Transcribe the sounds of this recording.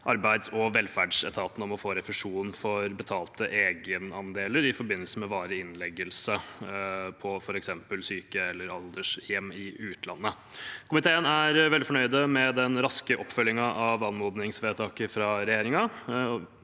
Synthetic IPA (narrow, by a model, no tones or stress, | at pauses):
ʔɑɾbæɪd̪sɔʋɛlːfæɖʂɛt̪ʰɑːt̪n̩ɔmɔfoːɾɛfəʂuːnfɔɾbət̪ʰɑːlt̪əʔeːɡənɑnd̪eːləɾɪfɔɾbɪnːəlsəmɛʋɑːɾəɪnlɛɡəlsə | pʰɔfɔɾɛksɛmpəlsyːkəɛlːəɾɑld̪əʂjɛmːɪʉːt̪lɑ̰nːə | kʰʊmɪt̪ʰeːənæɾʋɛld̪ɪfɔɳœʏd̪əmɛd̪ɛnɾɑskəʔɔpːfœlːɪŋɑʔɑʋɑnmoːd̪nɪŋsʋeːt̪ʰɑːkəfɾɑɾɛjeːɾɪŋɑ